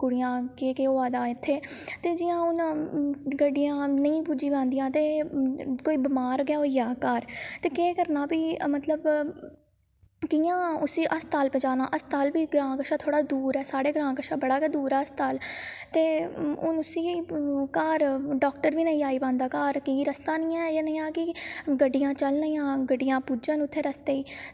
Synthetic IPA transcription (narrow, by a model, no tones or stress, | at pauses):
kʊɽɪjãːkeːkeːoːaːd̪aːɪt̪ʰːeːt̪eːd͡ʒɪːãːʊn | ɡəɖɪjãːnəĩːpuːd͡ʒiːpãːnd̪ɪjãːt̪eː | koːiːbɪmaːɾɡjaːoijaːkaːɾt̪eːkeːkəɾnaːbiːmət̪ləb | kijãːʊsiːʔəst̪aːlpẽːd͡ʒaːnaːʔəst̪aːlbiːɡɾãːkəʃaːt̪ʰoːɽaːd̪uːɾɛːsaːɽeːɡɾãːkəʃaːbəɽaːkeːd̪uːɾɛːəst̪aːlt̪eːʊnʊsiːkaːɾɖɔːk̚ʈəɾʋiːnəĩːaːiːpãːnd̪aːkaːɾkiːɾəst̪aːnĩːɛ̃ːjaːnəːãːkɪɡəɖɪjãːt͡ʃəlnəːãːɡəɖɪjãːpuːd͡ʒənʊt̪ʰːeːɾəst̪eːiː